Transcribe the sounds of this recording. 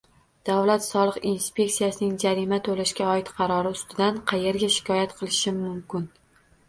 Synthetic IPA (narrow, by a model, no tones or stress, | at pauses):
d̪̥avlat̪sɒlˠɨqinspʲe̞k̚tsijasɪnɪŋd͡ʒaɾimat̪ʰolaʃkʲaɒɪt̪qʰɑɾɒɾɪʊst̪ɪd̪anqʰɑje̞ɾɡʲaʃɪ̥kʲʰɒjat̪qʰɨlˠɪʃɪːʊmkʲɪn